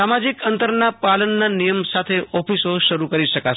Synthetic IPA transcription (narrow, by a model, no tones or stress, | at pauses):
amad͡ʒikənt̪əɾnapalənːanijəmsat̪ʰeʔɔpisoʃəɾukəɾiʃəka